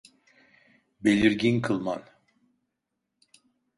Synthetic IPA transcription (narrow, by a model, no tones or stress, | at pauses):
belʲiɾɟinkʰɯlˠma̰n